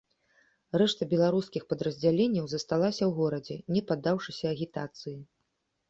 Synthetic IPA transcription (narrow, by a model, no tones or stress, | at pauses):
rɛʂt̪ɐbʲɛlˠaɾuskʲixpɐd̪ɾɐzʲd͡zʲalʲenʲːɐwzɐst̪alˠasʲɐwɣɔɾɐd͡zʲɛnʲɛpad̪ːawʂɨsʲɐːɣʲit̪at̪sɨji